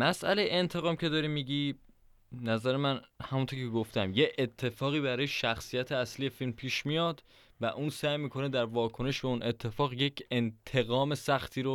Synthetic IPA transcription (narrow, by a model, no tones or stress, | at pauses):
mæsʔæ̰le̞jeent̪ʰe̞ɣɒːmcʰe̞d̪ɒːɾiːmiɟi | næzæɾemænhæmunt̪ʰoɾcʰeɡoft̪ʰæmje̞ʔet̪ʰːe̞fɒːɣiːbæɾɒːjeʃæxsijæt̪ʰeæsliːje̞filmpʰiːʃmijɒːd̪ | væʔuːnsæːjmiːkʰo̞ned̪æɾvɒːkʰo̞ne̞ʃbeuːnʔe̞t̪ʰːe̞fɒːɣje̞cʰe̞nt̪ʰe̞ɣɒːme̞sæxt̪ʰiːɾo